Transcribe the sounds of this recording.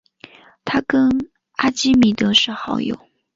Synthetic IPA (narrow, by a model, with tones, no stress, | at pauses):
t̪ʰa˥kə˥n | a˥t͡ɕi˥mi˨˩t̪ɤ˧˥ʂɻ̩˥˩xɑ˧˥ʊjo̰˨˩ʊ